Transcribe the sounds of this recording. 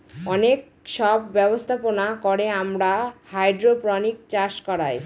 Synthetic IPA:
ɔnek̚ | ʃɔbːɛbost̪ʰaponakɔɽeamɾahajɖɾopɾɔnikt͡ɕaɾʃkɔɾaj

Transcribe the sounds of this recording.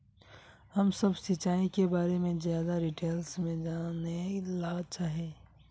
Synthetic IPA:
hɐmsɐbsit͡ʃaːikebaːɾemẽzjaːd̪aɾiːʈeːlsmẽd͡ʒaːnelaːt͡ʃaːɦeː

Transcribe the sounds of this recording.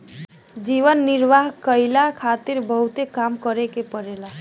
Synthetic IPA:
d͡ʒiβənːiɾʋaɦkəɪlakʰat̪iɾbəɦut̪ekamkəɾekepəɾela

